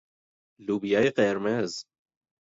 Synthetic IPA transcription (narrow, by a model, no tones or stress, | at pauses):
luːbijaːjeqɛɾmɛz